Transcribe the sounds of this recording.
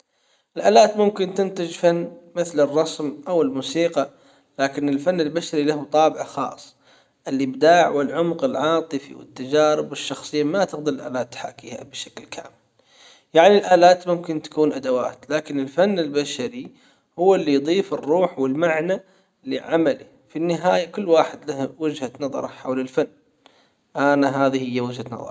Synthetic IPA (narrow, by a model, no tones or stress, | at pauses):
ʔɪlʔaːlaːt̪mʊmkɪnt̪ɪnt̪ɪd͡ʒfanːmɪθlɪrˤːɑsmʔawɪlmusiːqɑ | laːkɪnɪlfanːɪlbaʃaɾilahut̪ˤɑːbɪʕaxɑ̰ːsˤ | ʔɪlːibd̪aːʕwɪlʕʊmqɪlʕɑːt̪ˤɨfḭwɪ̰t̪ːad͡ʒaːɾɪbɪʃːɑxsˤɨjːamat̪ɪqd̪aɪlʔa̰ːlaːt̪ːħa̰ːkiːha̰bɪʃḁklkʰa̰ːmɪl | jaʕnilʔaːlaːt̪mʊmkɪnt̪ḁkuːnʔad̪awa̰ːt̪laːkɪnɪlfanːɪlbaʃaɾi | hʊwːɪlːijd̪ˤiːfɪrːuːħwɪlmaʕna | lɪ̰ʕamalḭ | finːɪɦaːjakʊlːwaːħɪd̪lahwɪd͡ʒhanɑðˤɑ̰ɾˤɑħa̰wlɪlfanː | ʔanaɦaːðihɪjːawɪd͡ʒhanɑ̰ðˤɑ̰ɾˤ